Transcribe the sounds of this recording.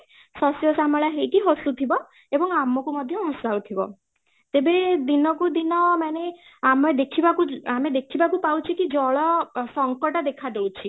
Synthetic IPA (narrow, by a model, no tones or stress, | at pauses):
sɔsjosamɔɭaɦejʈiɦosut̪ʰibɔ | ebɔŋamɔkumɔd̪ʱjɔɦɔ̃sawt̪ʰibɔ̰ | t̪ebed̪inɔk̬ud̪inɔmaneamɔd̪ekʰibakuamed̪ekʰibakupawt͡ʃʰikid͡ʒɔɭɔsɔŋkɔʈɔd̪ekʰad̪ewt͡ʃʰi